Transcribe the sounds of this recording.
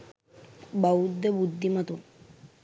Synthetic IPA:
bawd̪ːebud̪ʱːimat̪u

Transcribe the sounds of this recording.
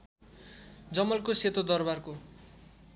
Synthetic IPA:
d͡zʌmʌlkoset̪od̪ʌrbarko

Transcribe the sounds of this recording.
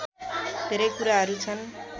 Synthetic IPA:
d̪̥ʱeɾʌjkuɾaɦʌɾut͡sʰʌn

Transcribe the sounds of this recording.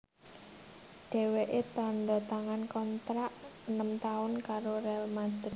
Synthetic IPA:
ɖ̥ɛ̤weʔet̪ɔnɖɔ̤t̪aŋankɔnt̪ɾaʔənəmt̪aʊnkaɾoɾɛlmad̪̥

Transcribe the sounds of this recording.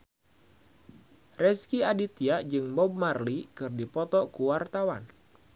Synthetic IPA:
rɛskiadit̪iaʔd͡ʒɨŋmɔb̚marlikɨrdipɔt̪ɔkuwart̪awan

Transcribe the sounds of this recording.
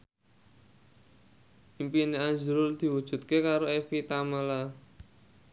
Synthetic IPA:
impineand͡ʒuɾʊld̪̥i̤wud̥ʒ̥ṳt̪̚kekaɾoefit̪amala

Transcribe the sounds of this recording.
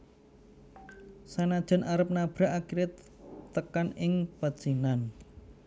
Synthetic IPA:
sanad̥ʒ̥ə̤naɾəp̚nab̥ɾa̤ʔakiɾɪt̪ː | əkanɪŋpad̥ʒ̥inan

